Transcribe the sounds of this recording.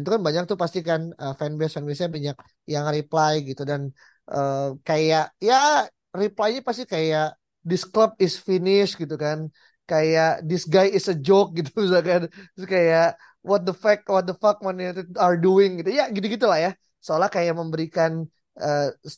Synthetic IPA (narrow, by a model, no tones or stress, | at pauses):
nt̪ukanbaɲak̚t̪upast̪ikanəfɛnbesfɛnbɛsɲabaɲak̚ | jaŋriplajɡit̪udan | ʔəkajaʔja | riplajɲapast̪ikajaʔ | dɪskləb̚ɪsfinɪʃɡit̪ukan | kajaʔdɪsɡajɪsəd͡ʒok̚ɡit̪u̥bis̬alkanskajaʔ | wɔt̪̚d̪əfak̚wɔt̪̚d̪əfak̚manit̪iarduɪŋɡit̪ujaɡit̪uɡit̪̬ulahja | səolahkajaʔməmbəɾikan | ʔəs